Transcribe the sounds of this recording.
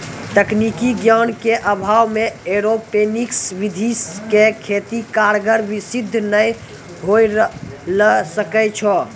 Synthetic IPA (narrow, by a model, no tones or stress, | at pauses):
t̪əknikiɡjankeʔəbʱawmeeɾopeniksʋid̪ʱiskekʰet̪ikaɾɡəɾʋisid̪ʱːnəj | ɦojɾləsəkɛt͡ʃʰɔ